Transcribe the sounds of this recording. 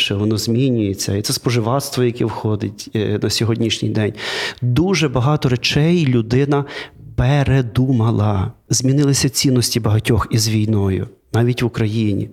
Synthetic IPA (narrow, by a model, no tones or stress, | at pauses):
t͡ʃɛʋɔnɔzʲmʲinʲʊjet͡sʲːɐit̪sɛspɔʒɪʋɑt̪st̪ʋɔjɐkʲiwxɔd̪ɪtʲnɐsʲɔɦɔdʲnʲiʃnʲijd̪ɛnʲd̪uʒɛbɐɦɑt̪ɔɾet͡ʃɛjlʲʊd̪ɪnɐpeɾed̪umɐlˠɐz̥ʲmʲinɪlˠɪsʲɐt͡sʲinːɔsʲtʲibɐɦɐtʲɔxizʋʲijnɔjʊ̰nɑʋʲitʲʋʊkɾɐjinʲḭ